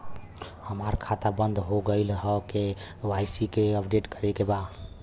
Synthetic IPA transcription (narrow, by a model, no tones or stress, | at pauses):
həmaɾkʰat̪abənd̪ʱɦoɡəɪlɦəke | wajsikeəpʰɖeʈkəɾekeba